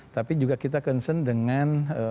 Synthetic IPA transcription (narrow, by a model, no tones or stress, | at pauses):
t̪apid͡ʒuɡakit̪akənsəndəŋanə